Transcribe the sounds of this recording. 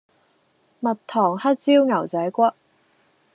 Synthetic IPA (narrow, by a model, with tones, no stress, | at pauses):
mɐ˨tt̪ʰɔː˨˩ŋhɐ˥t̚t͡siː˥wŋɐ˨˩wt͡sɐ˨˥jkʷɐ˥t̚